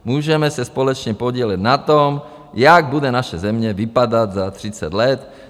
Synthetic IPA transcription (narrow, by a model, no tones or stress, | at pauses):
muːʒɛmɛsaspɔlɛt͡ʃɲɛpɔɟɪɛlɛɟnat̪ɔm | jaɡ̚bud̪ɛnaʃɛzɛmɲɛʋipad̪aɟzat̪ɾit͡sa̰ɟlɛt̪